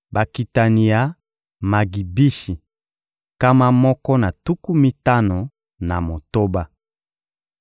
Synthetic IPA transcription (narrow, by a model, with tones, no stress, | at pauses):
ba˨ki˨ta˨ni˨ja˨ | ma˨ɡi˨bi˦ʃi˨ | ka˦ma˦mɔ˦kɔ˦na˨tu˦ku˦mi˦ta˦no˨ | na˨mo˨to˦ba˦